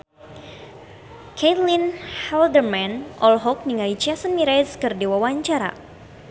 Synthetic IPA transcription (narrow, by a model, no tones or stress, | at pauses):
kʰet̪linhɛldərmɛnʔɔlɦɔk̚niŋait͡ʃɛsənmiɾɛskɨrdiwawaɲt͡ʃaɾa̰